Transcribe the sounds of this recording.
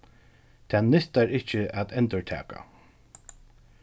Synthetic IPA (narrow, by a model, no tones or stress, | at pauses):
t̪ʰɛːnːɪst̪aɹɪht͡ʃːɪæt̪ɛnt̪ʊɹʈ̪ʰæ̰ːka̰